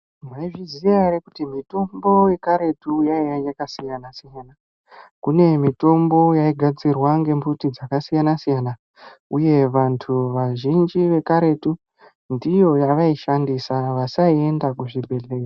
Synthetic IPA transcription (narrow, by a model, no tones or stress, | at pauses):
maiʐizijarekutimito̞mbo̞je̞kaɾe̞tujaijajakasijanasijana | kune̞mito̞mbo̞jaiɡʱad͡zirwaŋɡe̞mbutid͡zakasijanasijana | uje̞ʋantʰuʋaʒind͡ʒiʋe̞kaɾe̞tu | ndijo̞jaʋaiʃandisaʋasaie̞ndakuʐibʱe̞ɮea